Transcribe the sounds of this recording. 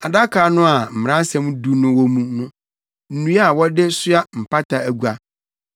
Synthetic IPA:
a˨da˦kʰa˨˦nʊ̃˦a˨m̩˨m˨ã˦sɛ̃˦m˦du˦nʊ̃˦wɔ˦mũ˦nʊ̃˦ | n̩˨nũ˦a˦˨wɔ˦dɪ˦sʊ˦a˦m̩˨pʰa˦tʰa˨æ˨ɡu˨a˨

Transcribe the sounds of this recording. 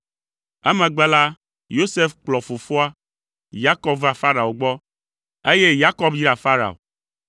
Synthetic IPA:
ɛ˦mɛ̃˨ɡ͡bɛ˦la˦ | jo˦se˦fk͡plɔ˨fo˨fɔ˦a˦ | ja˦kɔ˦bva˨fa˦ɾa˨o˨ɡ͡bɔ˦ | e˦je˦ja˦kɔ˦bji˦ɾa˨fa˦ɾa̰˨o̰˨

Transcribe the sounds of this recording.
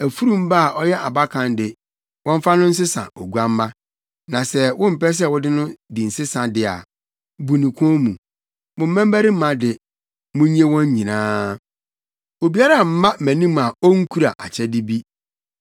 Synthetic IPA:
æ˨fu˦ɾũ˦m˦ba˦a˨ʔɔ˦jɛ˦ʔa˨ba˦kʰã˨ndɪ˨ | wɔ̃˦ɱ˦fa˦nʊ̃˦n̩˦s̬ɪ˦sã̰˨o˨ɡu˦a˦m˦mã˦ | nã˨sɛ˦wʊ̃˦m̩˨pɛ˦s̬ɛ˦˨wɔ˦dɪ˦nʊ̃˦di˨n̩˨sɪ˦sã˨dɪ˨a̰˨ | bu˨nĩ˨kʷʰɔ̃˦mũ˨ | mʊ̃˨m̩˦mæ̃˦m˦bæ˦ɾi˦m̩˦mã˨dɪ˨ | mʊ̃˦ɲ˦e˦wɔ̃˦ɲ˦ɲĩ˨nãː˦ | o˨bi˨˦a˦ɾa˦˨m̩˦mã˦˨mæ̃˨nĩ˦mã˨ɔ˦ŋ̩˦kʰu˦ɾa˨ʔa̰˨t͡ɕʰɛ˦dɪ˦bi˦

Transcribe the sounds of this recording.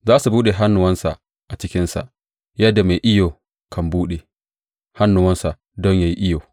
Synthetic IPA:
zaː˦su˨buː˦ɗe˨ɦa˦nːʊ˨wɐ˦nsa̰˨ | ʔa˨t͡ʃɪ˦kʲɪ˦nsa̰˨ʔ | jɐ˦dːa˨me˨jʔɪ˦joː˨ | kʰɐ˨mbuː˦ɗe˨ | ha˦nːʊ˨wɐ˦nsa˨ | dɔ˦ɲja˨ji˦ʔɪ˦joː˨

